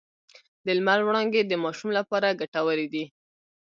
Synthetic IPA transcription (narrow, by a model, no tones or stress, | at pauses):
d̪əlmalwɽɑŋɡed̪əmɑʃumlapɑɾaɡaʈawəɾed̪i